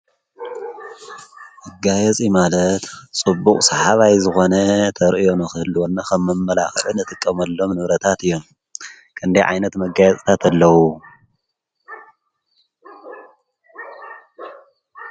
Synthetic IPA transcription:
ʔɐɡajɐt͡sʼimalɐt̪t͡sʼɨbːukʼsɐħaβajzɨxo̞nɐt̪ʰɐɾʔɨjo̞nɨxɨɨlːwonːakʰɐmːɐmːɐla̰xʕunɨt̪ʼɨkʼːɐmɐlːo̞mnɨβɾɐt̪ʰat̪ɨjːo̞m | kʰɨnd̪ɐjʕa̰jnɐt̪mɐɡajɛt͡sʼt̪ʰat̪ʰɐlːɐwu

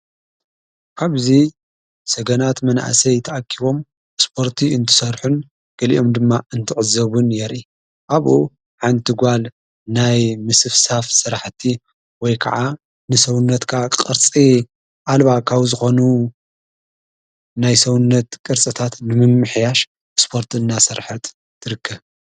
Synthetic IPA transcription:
kʰaβzi | sɐɡɐnat̪mɐna̰ʔsɐjt̪ʰɐʔakʰːiβo̞m | spʰo̞ɾt̪ʰiɨnt̪ʰɨ̥sɐɾħɨn | ɡ̥ɐlḭʔo̞md̪ɨmːaɨnt̪ʰɨʕɨzɐβunjɛɾi | ʔaβʔu | ħand̪t̪ʰɨɡʷal | najmɨsɨfsafsɨɾaħt̪ʰi | wɔjkʰɐ̰ʕa | nɨsɐwʊnːɐt̪kʰakʼɨɾt͡sʼi | ʔalβakʰaβzɨxo̞nu | najsɐwnːɐt̪kʼɨɾt͡sʼɨt̪ʰat̪nɨmɨmːɨħjaʃ | spʰo̞ɾt̪ʰɨnːasɐɾħɐt̪ːʰ | ɨɾɨkʰːɐβ

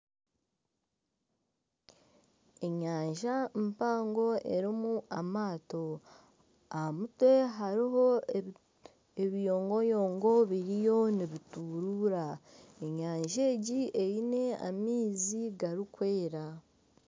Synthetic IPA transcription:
e̞ɲaːɲʒampaːŋɡo̞e̞ɾimuʔamaːto̞ | ahamutwe̞ɦaɾiɦo̞ | eβijo̞ːŋɡojo̞ːŋɡo̞βiɾijo̞niβituːɾuːɾaeɲaːɲʒe̞ːɟiʔejine̞a̰miːziɡaɾikwe̞ːɾa

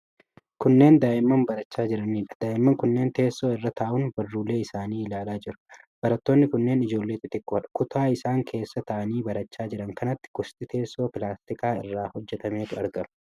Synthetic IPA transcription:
kʊnːe̞ːnd̪aːʔɪmːɐmbɐɾɐt͡ʃːaːd͡ʒɪɾɐniːᶑɐ̥d̪̥aːʔɪmːɐŋkʊnːe̞ːnt̪e̞ːsːo̞ːɪrːɐt̪ʰaːʔʊnbɐrːuːlːe̞ːɪsaːniːɪlaːlaːd͡ʒɪɾʊ̥ | b̥ɐɾɐt̪ːo̞ːnːɪkʊnːe̞ːnɪd͡ʒo̞ːlːe̞ːt̪ɪt̪ɪkʼːʊɐᶑɐ̥kʊt̪ʰaːɪsaːŋkʰe̞ːsːɐt̪ɐʔɐniːbɐɾɐt͡ʃːaːd͡ʒɪɾɐŋkɐnɐt̪ːɪ̥ɡʊst̪ʼɪt̪ʰe̞ːsːo̞ːpɪlaːst̪ɪkaːɪrːaːhɔd͡ʒːɛt̪ɐme̞ːt̪ʊɐɾɡɐmʊ̥

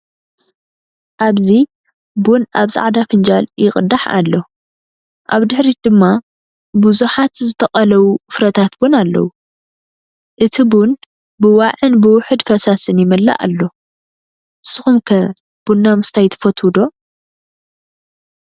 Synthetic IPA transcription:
ʔaβzi | bunʔaβzʼa̰ʕd̪afɨnd͡ʒaljɪxʼɨd̪aħa̰lːo̞ | ʔaβd̪ɨħɾid̪ɨmːa | buzuħat̪zɨt̪ʰɐqʼɐlɐwufɾɐt̪ʰat̪bunalːɐ̰wu | ʔɨt̪ʰibun | bɨwaʕɨnbɨwʊħɨd̪fɐsasɨnjɪmɨlːa̰ʔa̰lːo̞ | sɨxumkʰɐ | b̥unːamɨst̪ʰajt̪ʰɐ̥fɐt̪ʰud̪o̞

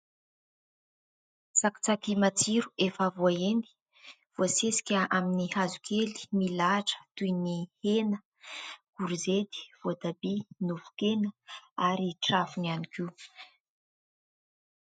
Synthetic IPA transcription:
saki̥t͡sakimat͡siɾuefavuaeni̥ | v̥oasesi̥kʲəaminihazukʰeli̥milaʈ͡ʂə̥t̪ujnihenə | ɡ̥uɾuzed̪i̥v̥oat̪abinuvu̥kenəaɾiʈ͡ʂafunianikiw

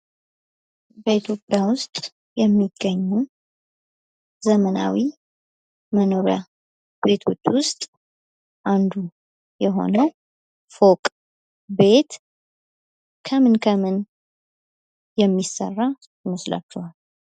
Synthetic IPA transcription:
bəit̪ʰjo̞pʼːjawʊst̪ʼ | jɛmːiɡːəɲːu | zəməna̰wi | məno̞ɾja̰ | be̞t̪ʰot͡ʃːwʊst̪ʼ | ʔand̪u | jɛɦo̞̰nəw | fokʼ | be̞t̪ | kʰəmɨnkʰəmɨn | jɛmːisːə̰rːa | məsla̰t͡ʃːɛhal

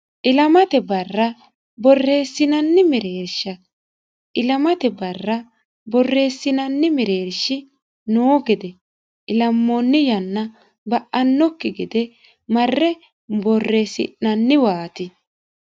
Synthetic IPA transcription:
ʔɪlɐmɐt̪ɛbɐrːɐ | bɔrːe̞ːsːɪnɐnːɪmɪɾeːɾʃːɐ | ʔɪlɐmɐt̪ɛbɐrːɐ | bɔrːe̞ːsːɪnɐnːɪmɛɾe̞ːɾʃɪ | noːɡɪd̪ɛ | ʔɪlɐmːonːɪjɐnːɐ | bɐʔːɐnːɔkːɪɡɪd̪ɛ | mɐrːɛ | bɔrːeːsɪ̰ʔːɐnːɪwaːt̪ɪ

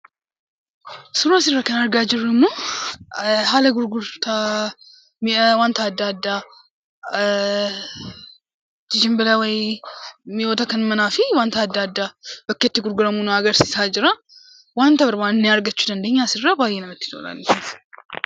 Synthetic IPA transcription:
sʊɾaːs̬ɪrːɐkɐnɐɾɡaːd͡ʒɪrːɪmːoː | ɦaːlɐɡʊɾɡʊɾt̪ʰa | mwant̪ɐːd̪ːaːd̪ːa | d͡ʒɪd͡ʒɪmbɪlɐwɐj | mɪjoːt̪ɐkɐnmɐnaːfɪwaːnt̪ɐːd̪ːaːd̪ːaːb̥ɐkːɐt̪ːɪɡʊɾɡʊɾɐmunɐɡɐɾsiːsaːd͡ʒɪɾɐ | waːnt̪ɐbɐɾmaːnnːɪɐɾɡɐt͡ʃːud̪ɐnd̪e̞ːɲːasɪrːɐbaːjːɛnɐmɐt̪ːɪ̥t̪o̰lɐ̰niɪn

